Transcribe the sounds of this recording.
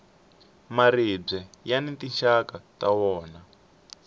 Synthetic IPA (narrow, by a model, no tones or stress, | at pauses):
marib͡ʐɛjanitiʃakatawɔːna